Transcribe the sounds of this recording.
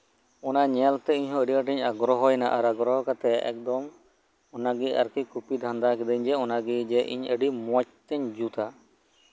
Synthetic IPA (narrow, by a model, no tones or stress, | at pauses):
ɔnaɲɛlt̪ɛiɲɦɔ̃əɖiəʈiɲaɡɾɔɦɔjnaʔaɾaɡɾɔɦɔkat̪ɛɛ̰k̚d̪ɔm | ɔnaɡia̰ɾkikupid̪ʱãnd̪akɛd̪ɛɲd͡ʒɛɔnaɡid͡ʒɛʔḭɲəɖimɔc̚t̪ɛɲd͡ʒut̪a